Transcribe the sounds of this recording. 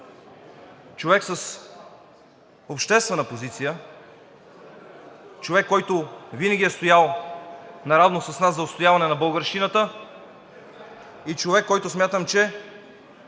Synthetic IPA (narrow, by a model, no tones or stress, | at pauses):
t͡ʃovɛksəs | opʃt̪ɛst̪vɛnəpozit̪sijə | t͡ʃovɛkːɔjt̪ʊvinəɡʲiɛst̪ojalˠ | nɐɾavnosɐsnaszɐot̪st̪ojavɐnɛnɐbəlˠɡəɾʃinət̪ə | it͡ʃovɛkːɔjt̪ʊsmʲjat̪əmt͡ʃɛ